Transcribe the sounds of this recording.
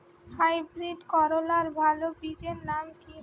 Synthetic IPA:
hajbɾiɖkɔɾolaɾbʱalobid͡ʑeɾnamki

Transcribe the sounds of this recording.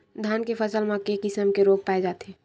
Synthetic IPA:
d̪ʱaːnkepʰəsəlmãkekɪsəmkeɾoːɡ̚paːed͡ʒaːt̪ɦẽ

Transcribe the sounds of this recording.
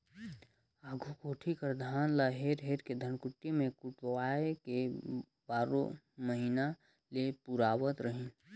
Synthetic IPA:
aɡʱukoːʈʰikəɾd̪ʱaːnlaɦeɾɦeːɾked̪ʱənkʊʈːimẽkʊʈwaːeke | baːɾõ̰ | məɦina | lepuɾaːwət̪ɾəɦĩ

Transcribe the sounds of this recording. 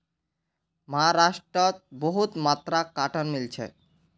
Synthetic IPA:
maɦaɾaʃʈɾot̪̚boɦut̪mat̪ːɾakaʈʰonmilt͡ɕʰḛ

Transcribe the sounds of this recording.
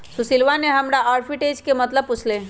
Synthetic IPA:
susilʋaneɦɐmɾaʔaːɾfʰiʈeːd͡ʒkemət̪ləb̚put͡ʃʰle

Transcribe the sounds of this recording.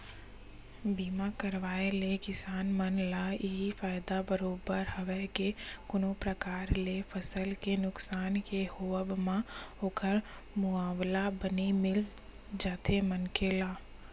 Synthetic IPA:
biːmakəɾʋaːelekɪsaːnmənlaɪɦifaːjɪd̪abəɾoːbəɾhəʋɛkekʊnopɾəkaːɾlefəsəlkenʊksaːnkehoːəbmãoːkəɾ | mʊaːʋlabənimɪl | d͡ʒaːt̪ʰemənkelaː

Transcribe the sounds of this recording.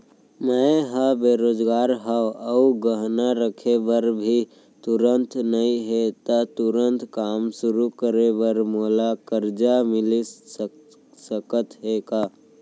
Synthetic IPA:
məɦəbeːɾoːd͡ʒɡaːɾɦaəuɡəɦnaɾəkʰeʋəɾbʱi | t̪ʊɾə̃nt̪nɐɦĩɦet̪at̪ʊɾə̃nt̪kaːmsʊɾukəɾeʋəɾmoːlakəɾd͡ʒamɪli | səkət̪ɦeːkaː

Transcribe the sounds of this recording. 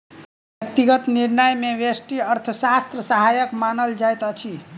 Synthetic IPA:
bjək̚t̪iɡət̪niɾnəjmeʋesʈiəɾt̪ʰəsast̪ɾəsəɦajəkmanəld͡ʒajt̪ət͡ʃʰi

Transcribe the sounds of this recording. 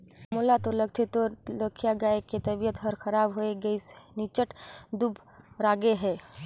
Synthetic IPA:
molat̪olɐkt̪ʰet̪oləkʰjaɡaːeket̪ɐbijət̪ɦɐɾxɐɾaːbɦoeɡəisnit͡ʃəʈd̪ub | ɾaːɡeɦɛː

